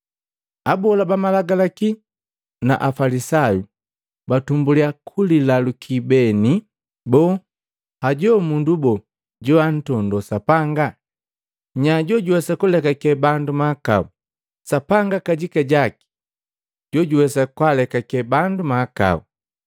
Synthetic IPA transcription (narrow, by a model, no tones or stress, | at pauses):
abɔlabamalaɡalaki | na̰ʔafalisaju | batumbuliakʰulilalukʰibɛni | bɔ | haɟɔmundubɔ | ɟɔan̩tɔndɔsapaŋɡa | ɲaɟɔɟuwɛsakulɛkakɛbandumaka̰u | sapaŋɡakaɟikaɟaki̥ | ɟɔɟuwɛsakwalɛkakɛbandumaka̰ṵ